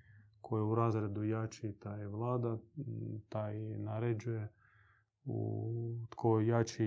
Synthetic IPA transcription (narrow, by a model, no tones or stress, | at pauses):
kʰojeuɾaːzɾed̪ujat͡ʃit̪aːjeʋlˠaːd̪at̪aːjnaɾed͡ʒuje | ṵt̪kʰojat͡ʃi